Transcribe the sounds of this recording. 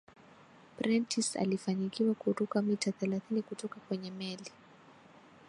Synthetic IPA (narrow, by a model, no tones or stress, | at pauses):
pɾʔintʰisa̰lifaɲikʰiwakuɾukamitaθɛlaθinikutɔkakwɛɲɛmɛli